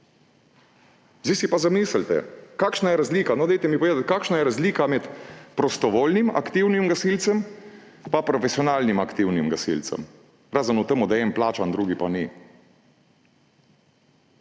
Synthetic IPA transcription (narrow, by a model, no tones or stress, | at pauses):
zd̪isipazamiːsəlt̪ɛ̰kaːkʃnajɛɾazliːkanɔd̪ɛjt̪ɛmipɔʋeːd̪at̪ʲkaːkʃnajɛɾazliːkamɛt̪pɾɔst̪ɔʋoːlnima̰kt̪iwnimɡasilt̪sɛm | papɾɔfɛsiɔnaːlnimakt̪iwnimɡasḭlt̪sɛ̰m | ɾaːzənut̪əmud̪aɛnplaːt͡ʃand̪ɾuːɡipani